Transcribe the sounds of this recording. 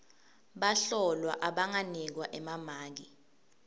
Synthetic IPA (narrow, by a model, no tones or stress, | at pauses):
ɓaɬɔlwa̰ʔaɓaŋanik̬waʔɛmamaːk̬i